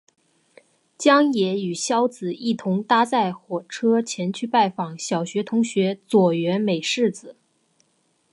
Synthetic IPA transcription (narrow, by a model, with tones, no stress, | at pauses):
t͡ɕjɑ˥ŋjɛ˧˥y˨˩ɕjɑ˥ʊt͡sɹ̩˨˩i˥˩t̪ʰʊ˧˥ŋt̪a˥t͡sa˥˩ɪxwɔ˨˩ʈ͡ʂʰɤ˥t͡ɕʰjɛ˧˥nt͡ɕʰy˥˧pa˥˩ɪfɑ˨˩ŋɕjɑ˨˩ʊɕɥɛ˧˥t̪ʰʊ˧˥ŋɕɥɛ˧˥t͡swɔ˨˩ɥɛ˧˥nme˨˩ɪʂɻ̩˥˩d͡zɹ̩˨˩˦